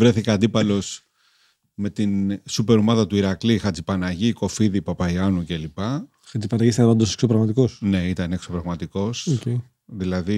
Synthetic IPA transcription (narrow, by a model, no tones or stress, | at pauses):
vɾe̞θikɐɐnd̪ipɐlo̞s | me̞t̪insupe̞ɾomɐðɐt̪uiɾɐklixɐd͡zipɐnɐʝiko̞fiðipɐpɐiɐnuce̞lipɐ | xɐd͡zipɐnɐɣist̪ɐpɐnd̪ose̥ksopɾɐɣmɐt̪iko̞sne̞it̪ɐnekso̞pɾɐɣmɐt̪iko̞se | ðilɐði